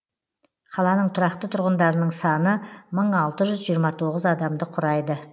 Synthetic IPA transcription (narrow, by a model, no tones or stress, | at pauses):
qʰɑlˠɑnəɴt̪ʰʊɾɑqt̪ət̪ʰʊɾʁənd̪ɑɾənəɴsɑnəməɴɑlˠt̪əʒʏzʒijəɾmɑt̪ʰo̞ʁəzɑd̪ɑmd̪əqʰʊɾɑjd̪ə